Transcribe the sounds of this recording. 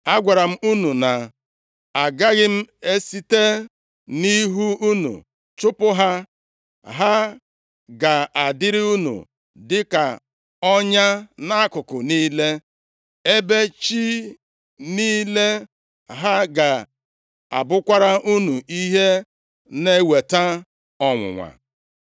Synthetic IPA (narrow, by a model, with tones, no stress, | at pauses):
a˦ɡʷa˨ɾa˨m̩˦u˦nu˨na˨ | a˨ɡa˦ɣɪ˦m̩˦e˦si˦te˦ | ni˦ɦu˦u˦nṵ˨ | t͡ʃʊ˦pʊ˦ɦa˦ | ɦa˦ | ɡa˨a˨dɪ˦ɾɪ˦u˦nṵ˨ | dɪ˦ka˨ | ɔ˦ɲa˦na˦a˦kʊ˨kʊ˨niː˦le˦ | e˦be˦t͡ʃi˦ | niː˦le˦ | ɦa˦ɡa˨ | a̰˨bʊ˦kʷa˦ɾa˦ʔu˦nu˨ʔi˦ɦe˦ | ne˦we˨ta˦ | ɔ˨ŋʷʊ̰˨ŋʷa̰˨